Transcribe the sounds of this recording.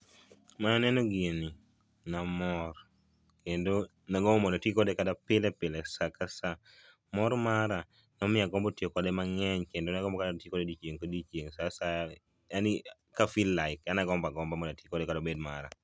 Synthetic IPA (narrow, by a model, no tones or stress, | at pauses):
mananɛnoɡeni | namɔr | kendo | naɡɔmɔnatikɔdɛkadapɪlɛpɪlɛsakasa | mɔɾmaɾa | nɔmɪaɡɔmbotjokɔdɛmaŋɛɲkendonaɡɔmbɔkadtjikɔdedit͡ʃjeŋkodit͡ʃjeŋsasa | ani | kafilːaɪkanaɡɔmbaɡɔmbamɔdatjikɔdɛkadobed̚maɾa̰